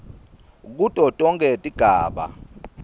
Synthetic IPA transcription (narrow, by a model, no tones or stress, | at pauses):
k̬utʼɔtʼɔŋɡʱɛtʼiɡ̥ʱaːɓa̰